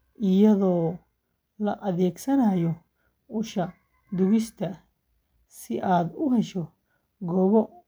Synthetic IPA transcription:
ʔɪjɐðɔː | lɐʔɐðɛːɡsɐnɐːjɔ | ʊʃɐ | d̪ʊɣɪst̪ʰɐ | sɪʔaːd̪ʊɦɛʃɔ | ɡɔːβɔ

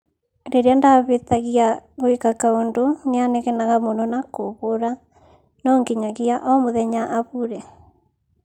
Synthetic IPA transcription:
ɾeɾeandaβet̪aɣiaɣoekakaondoneanɛɣɛnaɣamonɔnakoβoɾa | nɔŋɡiɲaɣiaʔɔmoðɛɲaʔaβuɾɛ

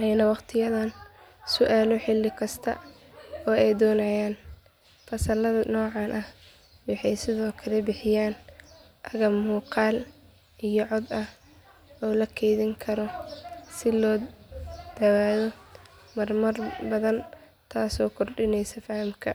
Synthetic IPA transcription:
ʔɛjnɐwɑqt̪ʰɪjɐðɐn | sʊʔaːlɔħɪlːɪkʰɐst̪ʰɐ̰ | ɔːɛjd̪ɔːnɐjaːn | fɐsɐlɐðɐnɔːʕɑnʔɐh | wɑħɑjsɪðɔːkʰɐlɛbɪħɪjaːn | ʔɐɣɐmuːqɑːl | ʔijɔʕɔd̪ɐh | ɔːlɐkʰɛjðɪŋkʰɐɾɔsɪlɔː | d̪̥ɐwaːðɔ | mɐrmɐrbɐðɐn | t̪ʰaːsɔːkʰɔrɖɪnɛjsɐfɐhmkʰɐ̰

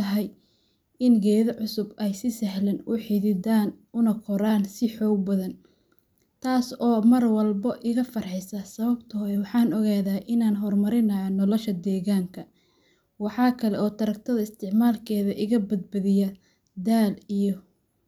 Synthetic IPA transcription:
ɐɦɛj | ɪnɡɛːðɐʕʊsʊbɛjsɪsɐɦlɐnʔʊħiðɪd̪aːnʊnɐkʰɔɾaːnsɪħɔːɡ̚bɐðɐn | t̪ʰaːsɔːmɐrwɐlbɐʔɪɣɐfɐrħɛsɐsɐβɐbt̪ʰɔwɑħɑːnɔɣaːðaːʔɪnaːnɦɔrmɐɾɪnɐjɐnɔlɔʃɐd̪ɛːɣaːŋkʰɐ | wɑħɑːkʰɐlɛɔːt̪ʰɐɾɐk̚t̪ʰɐðɐɪst̪ʰɪʕmaːlkʰɛːðɐʔɪɣɐbɐd̪̚bɐðɪjɐ | d̪aːlijɔ

